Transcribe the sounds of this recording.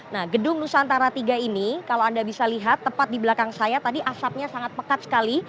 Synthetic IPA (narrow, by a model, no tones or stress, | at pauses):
nahɡədʊŋnusaant̪aɾat̪iɡainikalowandabisaliɦat̪ːəpat̪̚dibəlakaŋsajat̪adiʔasap̚ɲasaŋat̪̚pəkat̪̚sə̥kali